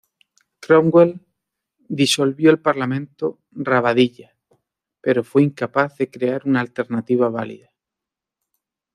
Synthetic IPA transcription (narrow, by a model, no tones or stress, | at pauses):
kɾoŋɡwel | d̪isolβjoelpaɾlamẽnt̪o | raβaðiʎa | peɾofweiŋkapaθðekɾeaɾunaːlt̪eɾnat̪iβ̞aβ̞alḭða